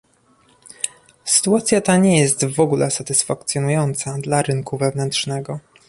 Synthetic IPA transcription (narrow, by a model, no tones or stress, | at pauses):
sɘ̥t̪uat̪sʲjat̪aɲɛjɛst̪vɔɡulʔɛsat̪ɘsfak̚t̪sʲjɔnujɔnt̪sad̪laɾɘŋkuvɛvnɛnt̪ʂnɛɡɔ